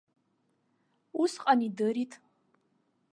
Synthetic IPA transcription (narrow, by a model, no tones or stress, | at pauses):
usqʼanidɨɾitʰʼ